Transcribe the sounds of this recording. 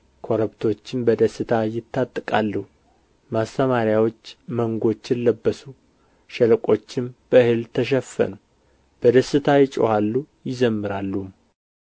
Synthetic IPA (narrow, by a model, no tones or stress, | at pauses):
kʰo̞ɾəβt̪ʰo̞t͡ʃːɪmbəd̪əsɨt̪ʰajɪt̪ʰːat̪ʼːɨkʼalːəhu | mast̪ʰəmaɾjawo̞t͡ʃːməŋɡo̞t͡ʃːɪlləbːəsu | ʃɛlkʼo̞t͡ʃːɪmb̥əɨhɨlt̪ʰəʃ̬ɛfːə̰nu | b̥əd̪əsːɨt̪ʰajɪt͡ʃʼo̰halːujɪzəmːɨɾalːum